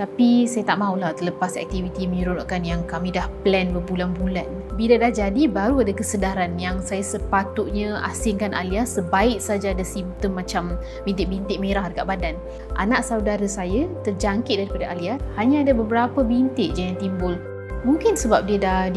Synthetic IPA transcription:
t̪apisajat̪aʔmãulaht̪ələpasɛ̰k̚t̪ivit̪iməɲəɾunaʔkanjaŋkamĩdahplɛnbərbulanbulan | biladahd͡ʒadibaɾuadakəsədaɾanjaŋsajasəpat̪ʊt̪̚ɲãa̰sɪŋkanʔa̰liat̪səbaɪʔsad͡ʒaːdasimt̪əmːat͡ʃam | bint̪ɪʔ̚bint̪ɪʔ̚meɾahdəkaʔbadan | ʔa̰naʔsaudaɾəsajat̪ərd͡ʒaŋkɪt̪̚daɾipadaʔaliat̪̚haɲãadabəbəɾapəbint̪ɪʔ̚d͡ʒajat̪imbʊl | muŋkɪnsəbap̚diədah

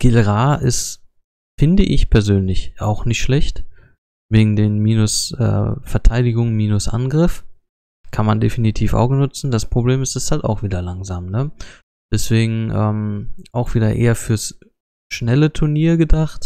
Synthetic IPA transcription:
ɡ̥ɪlʁaːʔɪst | fɪndəʔɪ̰çpʰɛɐzøːnlɪçʔa̰ʊxnɪçtʃlɛçt | veːɡŋ̩deːnmiːnʊsʔɛ̰ːfɛɐtʰaɪdɪɡʊŋmiːnʊsʔa̰nɡʁɪf | kʰanmandefinitʰiːfʔa̰ʊɡŋ̩nʊt͡sn̩d̥aspʁ̥obleːmɪstɛsthalta̰ʊxv̥iːdɐlaŋzaːmnə | d̥ɛsv̥eːɡŋ̩ʔɛːmʔaʊxv̥iːdɐʔḛːɐfyːɐs | ʃnɛlətʰʊɐniːɐɡədaχt

